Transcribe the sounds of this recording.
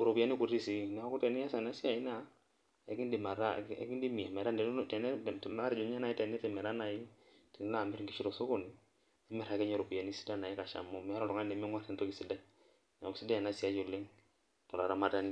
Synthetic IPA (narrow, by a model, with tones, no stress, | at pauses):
o˨ɾo˨pi˨a˦ni˦ku˨ɾi˦si˦n˨˦ku˦tɛ˨nɛ˦a˦sa˨na˦si˦a˨i˦na˦ | ɛ˨˦ki˦ndi˨ma˨ɾa˦ɛ̰˨˦ki˦ndi˦mi˨a˨mɛ˨ɾa˦ndɛ˨˦tɛ˨nɛ˦˨m˦a˦ɾɛ˨d͡ʒɔ˨ɲa˦na˨i˦tɛ˨nɛ˦tɛ˨mɛ˨ɾa˦na˨ji˦tɛ˨n˦la˦˨mɪ˦ɾŋɡi˦ʃi˦ɾo˨so˦ko˨ni˨ | ɛ˦mɛ˦˨ɾa˨kɛ˦ɲɛ˦˨ɾo˨pi˨a˨ni˦si̥˦da˦na˨i˦ka˨ʃa̰˨mo˦mɛ˨a˦lɔ˨tɔ˨ŋa˦ndɛ˨mi˦ŋwa˦rtɛ˨nto˦ki˨si˦dɛ˦ | na˨ki˨si˦da˦a˨na˦si˦a˨˦d͡ʒo˨le˦ŋ | tɔ˨la˨ɾa˨ma˦ta˦ni˦